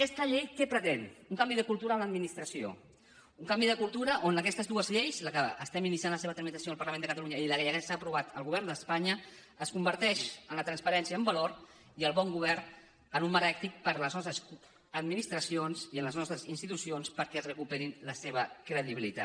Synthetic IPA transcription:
kɛst̪əʎejkɛpɾət̪enuŋkambiðəkulˠt̪uɾəːmləd̪minist̪ɾəsio̰ | uŋkambiðəkulˠt̪uɾəʔonəkɛst̪əzðuəzʎejzləkəəst̪ɛminisianləseβət̪ɾmit̪əsioəlˠpəɾləmend̪əkət̪aluɲəiləʎɛjakɛsaːpɾuβat̪əlˠɣuβ̞ɛrnd̪əspaɲə | əskumbəɾt̪ɛʃənlət̪ɾənspəɾɛnsiəːmbəloɾ | iəlˠβɔŋɡuβɛrn | ənumməɾɛk̚t̪ik̚pəɾləznɔst̪ɾəs | əd̪minist̪ɾəsionsiənləznɔst̪ɾəzinst̪it̪usionspəɾkɛəzrəkupeɾinləseβəkɾəðiβilḭt̪a̰t̪

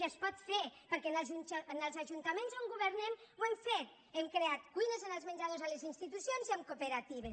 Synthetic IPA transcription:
espɔt̪feɾpəɾkɛnaʒunnəlˠzaʒunt̪amẽnszoŋɡuβəɾnɛmwɛmfet̪ | ɛmkɾeat̪kujnezenəlˠzmenʲd͡ʒaðozalezinst̪it̪usjonziamkopeɾat̪iβes

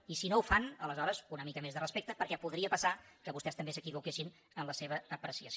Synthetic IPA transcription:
isinoufanələzɔɾəzunəmikəmezðərəspekt̪əpəɾkɛpuðɾiəpəsakəβust̪ɛst̪əmbesəkiβukeʃin | ənləseβ̞əːpɾəsiəs

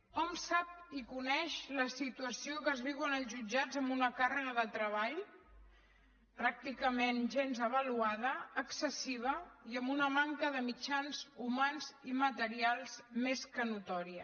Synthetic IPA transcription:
ɔmsap̚ikunɛʃləsit̪uəsiokəzβiwənəlˠzʒud͡ʒad͡zəmbunəkarəɣəðət̪ɾəβ̞aʎ | pɾak̚t̪ikəmenʒenzəβ̞əluaðəːksəsiβ̞əiəmbunəmaŋkəðəmit͡ʃanzumanzimət̪əɾialˠzmeskənut̪ɔɾiə

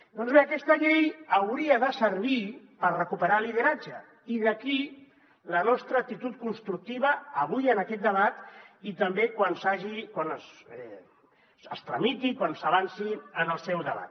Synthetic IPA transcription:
d̪ɔnzβeəkɛst̪əʎejəwɾiəðəsəɾβ̞i | pərrəkupəɾaliðəɾad͡ʒə | iðəki | lənɔst̪ɾəːk̚t̪it̪ut̪̚kunst̪ɾuk̚t̪iβəːβujənəkɛt̪̚d̪əβat̪it̪əmbekwansaʒikwanəsɛ | əst̪ɾəmit̪ikwansəβ̞ansiənəlˠsɛwðəβa̰t̪

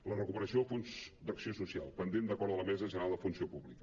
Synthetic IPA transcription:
lərəkupəɾəsioəfonzd̪əksiosusia̰lˠpənd̪end̪əkɔɾðələmɛzəʒənəɾalˠd̪əfunsiopuβlikə

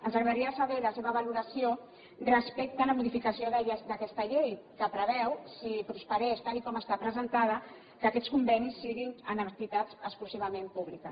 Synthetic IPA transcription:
ənzaɣɾðaɾiəsaβɛləseβəβaluɾəsio | rəspɛk̚t̪ələmuðifikəsioðɛd̪əkɛst̪əʎejkəpɾəβɛwsipɾuspəɾɛʃt̪alikɔməst̪apɾəzənt̪aðə | kəakɛtt͡skumbɛnisːiɣinənət̪it̪at͡səkskluziβɐmẽmpuβlikə

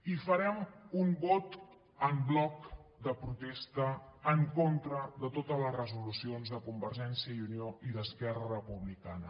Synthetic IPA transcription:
ifəɾɛmumbɔt̪ | əmblɔkd̪əpɾut̪est̪əːŋkont̪ɾəðət̪ot̪ələzrəzulusionzðəkumbəɾʒɛnsiəiunioiðəskɛrərəpuβlikanə

